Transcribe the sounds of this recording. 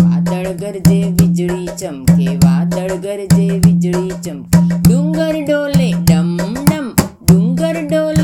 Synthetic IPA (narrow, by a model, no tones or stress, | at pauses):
ʋa̰ːd̪əɭɡəɾd͡ʒeːʋid͡ʒɭiːt͡ʃɐmkeʋaːd̪əɭɡəɾd͡ʒeːʋid͡ʒɭiːt͡ʃɐmɖuŋɡəɾɖoːleɖɐmɖɐmɖuŋɡəɾɖoːl